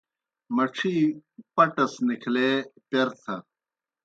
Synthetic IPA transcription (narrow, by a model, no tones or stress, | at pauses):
mɐʈ͡ʂʰipɐʈɐsnikʰleːpeɾt̪ʰɐ